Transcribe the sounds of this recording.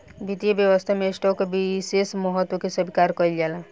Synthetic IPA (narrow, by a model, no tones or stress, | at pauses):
bit̪ibjəʋəst̪ʰamesʈɔkebisesmɔɦət̪ːwɔkesəbʱikaɾkəild͡ʒala